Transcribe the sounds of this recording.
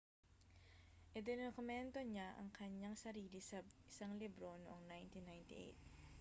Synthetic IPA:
ʔɪd̪ɪnokʊmɛnt̪o̞ɲaʔɐ̰ŋkʰɐɲaŋsɐɾiːlɪsɐɪsaŋlibɾo̞noʔoŋnajnt̪inːajnt̪ɪ̰ʔḛjt̪̚

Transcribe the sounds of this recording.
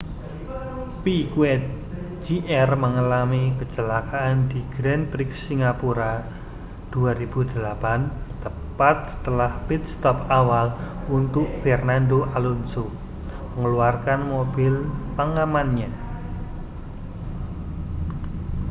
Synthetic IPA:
pikuɛ | d͡ʒiʔɛrməŋalamikət͡ʃəlakaʔːnd̪iɡ̥ɾɛnpɾiksiŋapuɾa | d̪̥uaɾib̥ud̪̥əlapant̪ə | pat̪̚sə̥t̪əlahpit̪̚st̪ɔp̚awal | unt̪ʊʔ̚fɛrnand̪oʔalunso | məŋəluarkanmobɪlpaŋamanɲa

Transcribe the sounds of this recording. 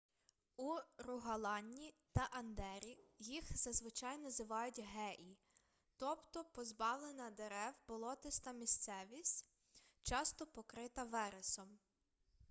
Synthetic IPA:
urʊɦɐlˠɑnʲːit̪ɐʔɐnd̪ɛɾʲijixzɐzʋɪt͡ʃɑjnɔzɪʋɑjʊtʲɦɛʔi | t̪ɔpt̪ɔpɔzbɑwlˠenɐd̪eɾɛwbɔlˠɔt̪ɪst̪ɐmʲist̪sɛʋʲisʲtʲ | t͡ʃɑst̪ɔpɔkɾɪt̪ɐʋɛɾesɔm

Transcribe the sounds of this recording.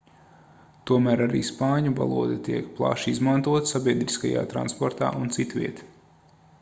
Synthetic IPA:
t̪uɔmæːɾaɾḭːspɑːɲuva̰lˠuɔd̪ɛt̪iɛkplˠa̰ʃizmant̪uɔt̪sabʲiɛd̪ɾiskaja̰ːt̪ɾa̰nspɔɾt̪a̰ːunt̪sit̪ʋʲḭɛt̪

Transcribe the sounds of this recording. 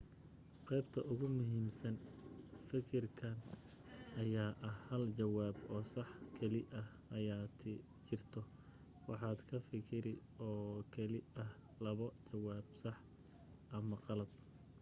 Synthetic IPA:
qɛjbt̪ʰɐʔʊɣʊmʊɦiːmsɐnfɪkʰɪrkʰɐn | ɐjaːʔɐhhɐlt͡ʃɐwaːbɔːsɑħkʰɛlɪʔɐh | ʔɐjaːt̪ʰ | t͡ʃɪrt̪ʰɔ | wɑħɑːd̪kʰɐfɪkʰɪɾɪ | ɔːkʰɐlɪɐh | lɐβɔt͡ʃɐwaːbsɑħ | ʔɐmɐqɑlɐd̪̚

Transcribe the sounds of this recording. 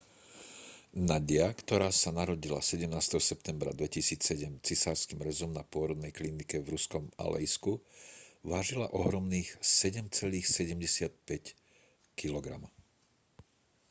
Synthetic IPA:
naɟɪakt̪ɔɾaːsanaɾɔɟila̰sɛɟɛmnaːst̪ɛɦɔsɛp̚t̪ɛmbɾa̰d̪ʋɛcisiːt͡ssɛɟɛmt͡sisaːɾskiːmɾɛzɔmnapʊɔɾɔd̪nɛjklinikɛvɾuskɔma̰lɛ̰jsku | ʋaːʒila̰ʔɔɦɾɔmniːxsɛɟɛmt͡sɛliːxsɛɟɛmɟɛsɪat̪̚pɛc | kilɔɡɾa̰m

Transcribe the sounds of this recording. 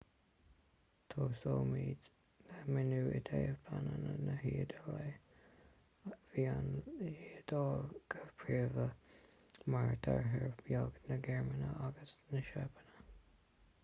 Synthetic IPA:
t̪ʰoːsoːmiːd | nəmɪnuːʔɪt̪ʰejəvpʰanənənəɦiːəd̪əle | viːanhiːd̪ɑːlɡ̥əv̥pʰɹiːvə | maɹt̪ʰaɹɦəɹbjɔɡnəɡɛɹmənəʔaɡəsnəʃapʰənə

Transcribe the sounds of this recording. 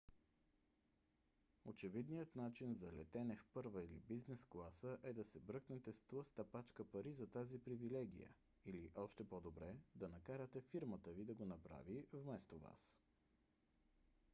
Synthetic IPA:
ot͡ʃɛvid̪nijət̪nat͡ʃinzɐlɛt̪ɛnɛfpɤɾvəilḭbiznɛsklˠasəʔɛd̪ɐsɛbɾɤknɛt̪ɛst̪vəst̪ɐpat͡ʃkəpɐɾizɐt̪azipɾivilɛɡ̟ijə̰ | iliʔɔʃt̪ɛpod̪obɾɛd̪ɐnɐkaɾət̪ɛfiɾmət̪əvid̪ɐɡonɐpɾa̰vivmɛst̪ova̰s

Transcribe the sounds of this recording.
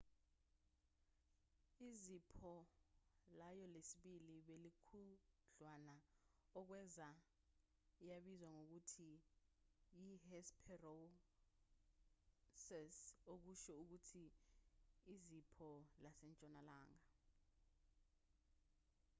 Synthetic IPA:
izipʰɔ | lajɔlesiɓiliɓelikʰuɮwanaɔk̬wɛza | ijaɓizwaŋok̬utʰi | jihɛspʰɛro | sɛsok̬uʃɛuk̬utʰiː | zipʰɔlasɛnt͡ʃʼɔnalaːŋa

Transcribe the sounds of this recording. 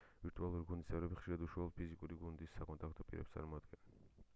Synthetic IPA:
viɾt̪ʼualˠuɾiɡund̪ist̪ʼɛvɾɛbiχʃiɾad̪uʃwalɔpʰizikʼuɾiɡund̪isːakʼɔnt̪ʼak̚ʰt̪ʰɔpʼiɾɛ̰pst̪ʼa̰ɾmɔːd̪ɡɛn

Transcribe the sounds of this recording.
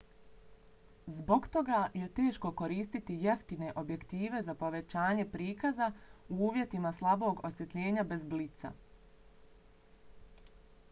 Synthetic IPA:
zbo̞ɡt̪o̞ɡaje̞t̪e̞ːʃko̞ko̞ɾiːst̪it̪ije̞ft̪ine̞ʔo̞bje̞kt̪iːʋe̞zapo̞ʋe̞t͡ɕaːɲe̞pɾiːkazauuːʋje̞t̪imaslˠabo̞ɡo̞sje̞t̪ʎe̞ːɲabe̞zblit̪sa̰

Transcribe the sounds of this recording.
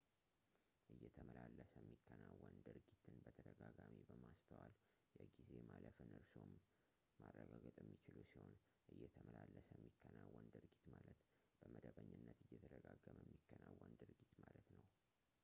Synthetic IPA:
ʔɨjːɛt̪ʰəməlalːəsəjɛmːikʰːənawːənd̪ɨɾɡit̪ʰɨnbət̪ʰəd̪əɡaɡamibəmast̪ʰəwal | jɛɡize̞maləfɨnʔɨɾsomː | arːəɡaɡət̪ʼjɛmːit͡ʃɪlusiho̞n | ʔɨjːɛt̪ʰəməlalːəsjmːikʰːənawːənd̪ɨɾɡit̪malət̪ | b̥əməd̪əβəɲːɨnːət̪ɨjːɛt̪ʰəd̪əɡaɡəməmːikːənawːənd̪ɨɾɡit̪malət̪nəw

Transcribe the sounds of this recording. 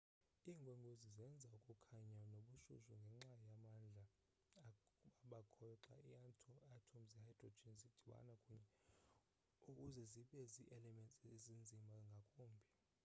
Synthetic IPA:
iːŋɡʱweŋɡʱozizɛnd͡zʱaukʼukʰaɲanoɓuʃṵʃuŋɡʱɛŋ͡ǁajamand͡ɮʱa | aɓakʰɔǁa̰itʰatʰomzɛhajd̥rɔd͡ʒinzid̥ʱiwa̰nakʼuɲɛ | ukʼuzɛziɓɛziʔɛlɛmɛnt͡sʼezind͡zʱimʱaŋɡʱakʼoːmbʱi

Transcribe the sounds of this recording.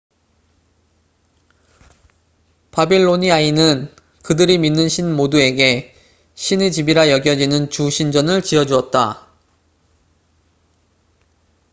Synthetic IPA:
pabiɭːoɲiainɯn | kɯdɯɾiminːɯnɕʰinmodue̞ɡe̞ | ɕʰined͡ʑibiɾajʌɡjʌd͡ʑinɯnt͡ɕuɕʰind͡ʑʌnɯɭt͡ɕiʌd͡ʑuʌt̚t͈a̰

